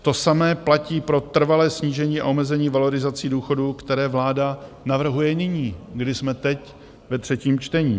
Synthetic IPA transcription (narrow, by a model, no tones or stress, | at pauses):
t̪o̞samɛːplaciːpɾo̞t̪r̩valɛːsɲiːʒɛɲiːʔa̰ʔo̞mɛzɛɲiːvalo̞ɾɪzat͡siduːxo̞dukt̪ɛɾɛːvlaːda | navr̩ɦujɛnɪɲiːɡdɪsmɛt̪ɛc | vɛt̪r̝̥ɛciːmt͡ʃt̪ɛɲiː